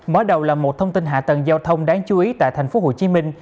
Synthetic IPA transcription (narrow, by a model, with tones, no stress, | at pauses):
məː˨˦ɗə˨˩wlaː˨˩mo˨˩t̚t̪ʰə˧wŋ͡mt̪i˧nɦa̰ː˧˨t̪ə˨˩nzaː˧wt̪ʰə˧wŋ͡mɗaː˨˦ŋt͡ɕu˨˦ʔi˨˦t̪a̰ː˧˨jt̪ʰa˨˩ŋ̟fo˨˦ɦo̰˧˩˨t͡ɕi˨˦mï˧ŋ̟